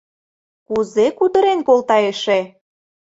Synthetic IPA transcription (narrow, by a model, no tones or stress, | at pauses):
kuzekud̪ə̆ɾenkolˠt̪ɑeʃe